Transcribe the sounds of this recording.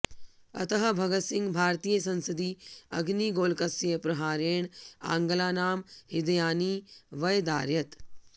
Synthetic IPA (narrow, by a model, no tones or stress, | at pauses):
ɐ̰t̪əɦɐbʱɐɡət̪sɪ̃ŋɡbʱaːɾt̪iːjəsɐ̃nsəd̪iːɐɡniːɡoːlkɐsjepɾɐɦaːɾeːɳ̃ã̰ːŋɡlaːnaːmhɪd̪jaːniːʋɐjd̪a̰ːɾjɐt̪